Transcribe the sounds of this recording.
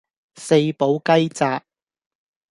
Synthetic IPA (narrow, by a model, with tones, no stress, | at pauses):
se˧jpo˨˥wkɐ˥jt͡saː˧k̚